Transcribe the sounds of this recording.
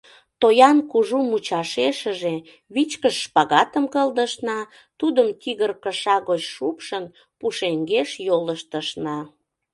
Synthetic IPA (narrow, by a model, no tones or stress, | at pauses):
t̪ojɑnkuʒumut͡ɕɑʃeʃəʒe | βit͡ɕkəʃːpɑɣɑt̪əmkəld̪əʃnɑ | t̪ud̪əmt̪iɣərkəʃɑɣot͡ɕʃupʃən | puʃeŋɡeʃjoləʃt̪əʃnɑ